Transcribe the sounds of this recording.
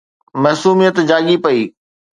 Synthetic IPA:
mɐɦsuːmijət̪d͡ʑaːɠipɐiː

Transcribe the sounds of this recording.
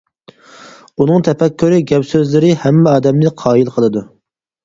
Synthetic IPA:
unɨŋt̪ʰɛpɛkʲːyɾɨɡʲɛpsøzlɪɾɪhɛmːɛɑːd̪ɛmnɪqʰɑːjilˠqʰəlˠɨd̪u

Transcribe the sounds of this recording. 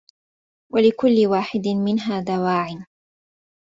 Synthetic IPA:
walɪkʊlːɪwaːħɪd̪ɪmɪnɦaːd̪awaːʕɪn

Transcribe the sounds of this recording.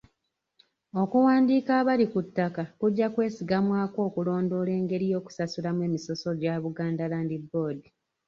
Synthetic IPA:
o̞kuwaːndiːkaːβalikutːakakuɟːakwe̞ːsiɡamwaːko̞ːkulo̞ːndo̞ːle̞ːŋɡe̞ɾijo̞ːku̥sasulamwe̞ːmiso̞so̞ɟaβuɡaːndalaːndibːo̞ːdi

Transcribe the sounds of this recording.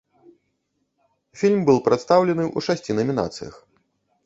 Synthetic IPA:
fʲilʲmbɨlˠpɾat̪st̪awlʲɛnɨʔṵʂasʲt͡sʲinɐmʲina̰t̪sɨ̰jɐ̰x

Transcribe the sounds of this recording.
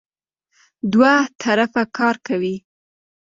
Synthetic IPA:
d̪wat̪ʰaɾafakʰɑɾkawi

